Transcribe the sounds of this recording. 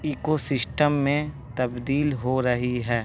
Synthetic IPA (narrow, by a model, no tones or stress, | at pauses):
iːkosɪsʈəmːẽ | t̪ɐbd̪iːlɦoɾɐɦiɦɛː